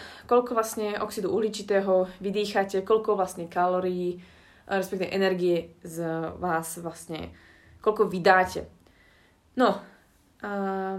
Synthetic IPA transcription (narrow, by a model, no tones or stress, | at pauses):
kɔʎkɔʋlasɲɛʔɔksid̪uuːɦliːt͡ʃit̪ɛːɦɔʋid̪iːxacɛkɔʎkɔʋlasɲɛkalɔɾijiː | ɾɛspɛkt̪iʋɛ̰ʔɛnɛɾɡiɛzʋaːzʋlasɲɛ̰ | kɔlkɔʋid̪aːcɛ̰ | nɔ